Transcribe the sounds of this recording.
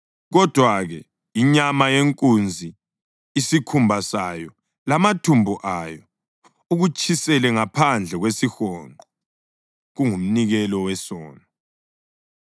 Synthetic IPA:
ɣɔd̥ʱwaɣɛ | iɲamajeŋkʼund͡zʱiː | sikʰumbʱasajɔ | lamatʰumbʱuʔajɔ | uɣut͡ʃʰisɛlɛŋapʰand͡ɮʱɛɣwesixɔːŋǃʱɔ | ɣuŋum̩niɣɛlɔwɛsɔːnɔ

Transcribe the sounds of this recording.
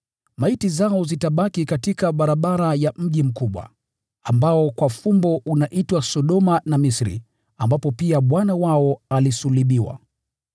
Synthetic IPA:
maitizaɔzitaɓakikatikaɓaɾaɓaɾajam̩ʄim̩kuɓwa̰ | ambaɔkwafumbɔʔunaʔitwasɔɗɔmanamisɾḭ | ambapɔpiaɓwanawaɔalisuliɓiwa̰

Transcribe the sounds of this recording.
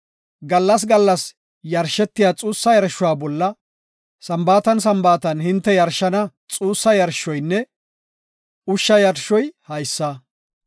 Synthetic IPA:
ɡɐlːɐs̬ɡɐlːɐs | jɐɾʃːɛt̪ːɪjaːt͡sʼuːsːɐjɐɾɐʃʊwaːbɔlːɐ | sɐmbaːt̪ɐns̬ɐmbaːt̪ɐnhɪnt̪ːɛjɐɾʃːɐnɐ | t͡sʼuːsːɐjɐɾʃɔjnːɛ | ʊʃːɐjɐɾʃɔjhɐjsːɐ

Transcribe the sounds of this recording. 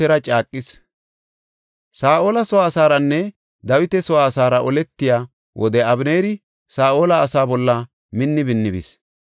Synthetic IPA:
ɛɾɐt͡ʃʼaːkʼːɪs | saːʔo̞ːlɐsɔwaːsaːɾɐnːɛ | d̪ɐwɪt̪ɛsɔwaːsaːɾɐʔɔlɛt̪ːɪjaː | wʔɔd̪ɛɐbneːɾɪ | saːʔoːlɐːsaːbɔlːɐ | mɪnːɪbɪnːɪbɪ̰s

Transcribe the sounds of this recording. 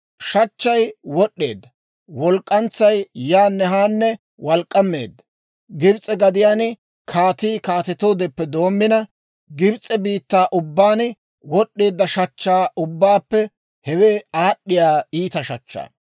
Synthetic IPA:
ʃɐt͡ʃːɐjwɔɗːe̞ːd̪ːɐ | wɔlkʼːɐnt͡sːɐjjaːnːɛɦaːnːɛ | wɐlkʼːɐmːeːd̪ːɐ | ɡɪbt͡sʼɛɡɐd̪ɪjaːn | kʰaːt̪iːkaːt̪ɛt̪o̞ːd̪ɛpːɛd̪o̞ːmːɪnɐ | ɡɪbt͡sʼːɛbiːt̪ːaːʔʊbːaːn | wɔɗːe̞ːd̪ːɐʃɐt͡ʃːaːʔʊbːaːpːɛ | hɛweːaːɗːɪjaːiːt̪ɐʃɐt͡ʃːa̰ː

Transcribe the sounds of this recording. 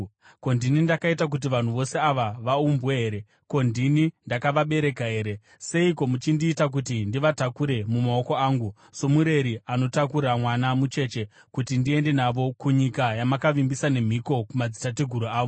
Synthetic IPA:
ko̞ndinindakaitak̬ut̬iʋan̤uʋo̞se̞aʋaʋaumbweɦeːɾe̞ | ko̞ndinindakaʋaɓe̞ɾe̞kaɦe̞ːɾe̞ | se̞iko̞mut͡ʃindiːtak̬utindiʋatakuɾe̞mumao̞ko̞aːŋɡu | so̞muɾe̞ɾiano̞takuɾamwanamut͡ʃe̞ːt͡ʃe̞ | kutindie̞nde̞naʋo̞kuɲikajamakaʋimbisane̞m̤iko̞kumad͡zitateɡʱuɾuaːʋo

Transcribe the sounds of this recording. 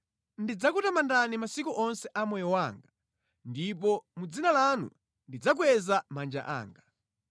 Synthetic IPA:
ndid͡zakutamandanimasikuʔɔnsɛʔamɛjɔwaːŋɡa | ndip̬ɔmud͡zinalanṵ | ndid͡zak̬uwɛzamand͡ʒa̰ʔa̰ːŋɡa

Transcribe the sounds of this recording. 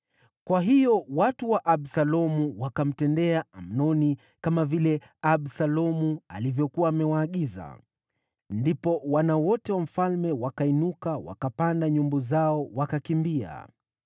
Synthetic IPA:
kwaɦijɔwatuwaʔaɓsalɔmuwakam̩tɛndɛaam̩nɔni | kamavilɛ | aɓsalɔmua̰livjɔkuaːmɛwaːɠiza̰ | ndipɔwanawɔtɛwam̩falmɛwakainukawa̰kapandaɲumbɔzaɔwakakimbia̰

